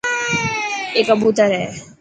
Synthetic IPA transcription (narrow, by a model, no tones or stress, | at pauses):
eːkabut̪əɾɛ